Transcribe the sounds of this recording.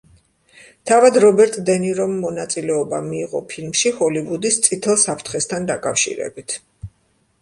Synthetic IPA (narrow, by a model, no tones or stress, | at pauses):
t̪ʰavad̪ɾɔbɛɾt̪ʼd̪ɛniɾɔmːɔnat̪sʼilɛɔbamiːʁɔ̰pʰilmʃihɔlivud̪ist̪sʼit̪ʰɛlˠsapʰɾt̪ʰχɛst̪ʰand̪akʼafʃḭɾɛ̰bit̪ʰ